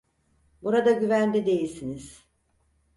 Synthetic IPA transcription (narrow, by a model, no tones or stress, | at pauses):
buɾad̪aɟyvænd̪ɛd̪e̞jilʲsiniz̥